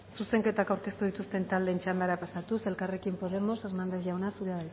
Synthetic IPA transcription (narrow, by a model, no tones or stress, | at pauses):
suse̞ŋke̞t̪akawɾke̞st̪uðit̪ust̪e̞nt̪ald̪e̞ːnt͡ʃand̪eaɾapasat̪use̞lkare̞kimpo̞ðe̞mo̞se̞ɾnand̪eθʝawnasuɾeaβaj